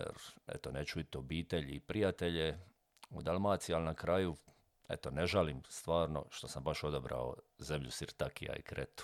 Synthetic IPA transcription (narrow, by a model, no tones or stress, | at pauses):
jḛɾḛt̪onet͡ʃuit̪obiːt̪eʎipɾijat̪eʎe | ud̪almaːt̪sialnakɾaju | ḛt̪o̞neʒaliːmst̪ʋaːɾno̞̰ʃt̪o̞sambaʃo̞d̪obɾa̰o̞̰ze̞mʎusiɾt̪akḭja̰ḭkɾet̪u̥